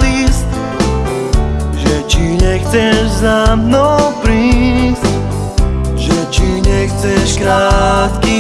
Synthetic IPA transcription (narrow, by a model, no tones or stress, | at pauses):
lis | ʒɛt͡ʃiɲɛxt͡sɛʒzamnɔpɾiːs | ʒɛt͡ʃiɲɛxt͡sɛʃkɾaːt̪ki